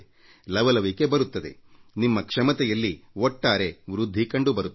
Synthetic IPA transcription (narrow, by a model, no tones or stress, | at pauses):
lɐʋɐlɐʋike̞bɐɾut̪ːɐd̪e̞̰nimːɐkʂɐmɐt̪ɛjɐlːiɔʈːaːɾe̞ʋɾud̪ʱːikɐɳɖubɐɾut̪ː